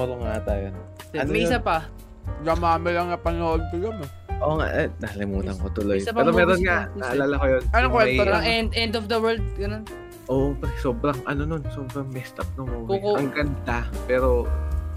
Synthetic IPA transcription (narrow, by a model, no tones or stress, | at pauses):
oɾoŋat̪ajonnmɛɪsapɐ | ɡɐmaːmɐlɐŋnɐpɐnoʔod̪̚kɐjomɐ | ʔoːŋa̰ʔɛnɐɐlɪmuːt̪ɐŋkot̪ʊlo̞jɛːɾomɛːɾonŋanɐʔɐlaːlakojonɐnokkwɛoɐŋɛnd̪ʔɛnd̪ofd̪ɐwɛld̪̚ɡɐnon | ʔoːʔopso̞ːbɾɐŋʔɐ̰no̞no̞nso̞ːbɾɐŋmɛst̪ʔɐp̚nomoɪʔɐŋɡɐnd̪apɛːɾo̞